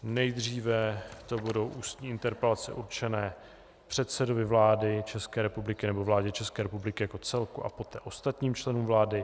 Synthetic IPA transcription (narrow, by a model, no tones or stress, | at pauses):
nɛjd̪r̝iːvɛt̪obudo̞wʔuːst̪ɲiːɪnt̪ɛɾpɛlat͡sɛ̰ʔuɾt͡ʃɛnɛː | pr̥ɛt̪sɛdo̞vɪvlaːdɪt͡ʃɛskɛːɾɛpublɪkɪnɛbo̞vlaːɟɛt͡ʃɛskɛːɾɛpublɪkɪjako̞t͡sɛlkuʔa̰po̞t̪ɛːʔo̞st̪at̪ɲiːmt͡ʃlɛnuːmvlaːdɪ